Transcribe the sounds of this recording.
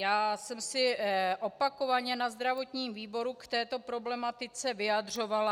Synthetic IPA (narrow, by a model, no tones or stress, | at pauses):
jaːsɛmsɪʔopako̞vaɲɛnazd̪ɾavo̞t̪ɲiːmviːbo̞ɾukt̪ɛːt̪o̞pɾo̞blɛmat̪ɪt͡sɛvɪjad̪r̝o̞vala